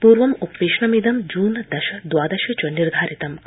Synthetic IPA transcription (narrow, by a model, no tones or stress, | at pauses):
puɾʋɐmoppiʃɳɐmid̪ɐmd͡ʒuːnd̪ɛʃɐd̪waːd̪ɐʃit͡ʃoniɾd̪ʱaːɾit̪ɐm